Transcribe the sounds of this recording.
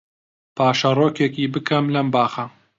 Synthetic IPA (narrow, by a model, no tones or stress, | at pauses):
pʰaːʃɐroːkekiːbɨkʰɐmlɐmbaːxɐ